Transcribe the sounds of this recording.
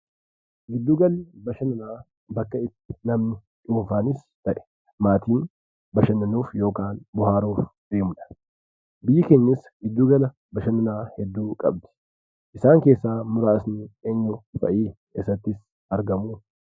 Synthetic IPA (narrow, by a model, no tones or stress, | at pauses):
ɡɪd̪ːuːɡɐlbɐʃɐnɐnaː | bɐkːɐɪt̪ːɪ̥nɐmnɪ | ᶑuːnfaːnɪs | t̪ɐʔɛ̥ | maːt̪iːn | bɐʃɐnːɐnuːfjo̞ːkaːnbʊhaːɾuːfd̪̥eːmʊᶑɐ̥ | bɪjːɪkeːɲːɪsɡɪd̪ːuːɡɐlɐ | bɐʃɐnɐnaːhɛd̪ːuːŋkʼɐ̰b̚d̪ɪ̥ | ʔɪsaːŋke̞ːsːaːmʊɾaːsnieːɲːʊfɐ̰ʔiː | ɛsːɐt̪ːɪs | ɐɾɡɐmuː